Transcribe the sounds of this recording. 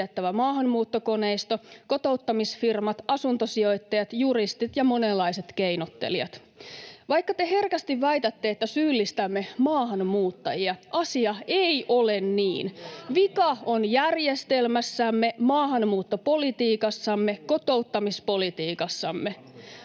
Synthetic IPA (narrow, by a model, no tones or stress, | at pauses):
et̪ːæʋæmɑːɦɑnmuːt̪ːoko̞ne̞ist̪oko̞t̪o̞ut̪ːɑmisfirmɑt̪ɑsunt̪osio̞jt̪ːejɑt̪juɾist̪it̪jɑmo̞nelːɑise̞t̪kejnot̪ːḛliɑ̰t̪ | ʋɑjkːɑt̪eɦe̞rkæst̪iʋæjt̪æt̪ːe̞ːt̪ːæsyːlːist̪æmːe̞mɑːhɑnmuːt̪ːɑjiɑʔɑsiɑejʔolennḭːnʋikɑonjærjest̪elmæsːæmːe̞mɑːhɑnmuːt̪ːopo̞lit̪iːkɑsːɑmːeko̞t̪o̞ut̪ːɑmispo̞lit̪iːkɑsːɑmːe